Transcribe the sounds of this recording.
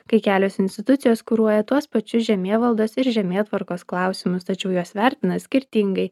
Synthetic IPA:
kɐɪkʲæːlʲoːsɪnʲsʲt̪ʲɪt̪ʊt̪sʲɪjoːskʊɾuɔjɛt̪uɔspɐt͡ʃʲʊsʒʲɛmʲeːʋɐlˠd̪oːsɪɾʒʲɛmʲeːt̪ʋɐɾkoːsklˠɑˑʊsʲɪmʊst̪ɐt͡ʃʲɛʊjuɔsʋʲæˑɾʲt̪ʲɪnɐsʲkʲɪɾʲt̪ʲiŋɡɐɪ

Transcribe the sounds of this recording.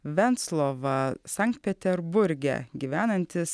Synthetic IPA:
ʋʲɛnt̪slˠoːʋɐsɑŋk̚t̪̚pʲɛt̪ʲɛɾbʊɾʲɡʲɛ̰ɡʲiːʋʲæːnɐnʲt̪ʲɪs

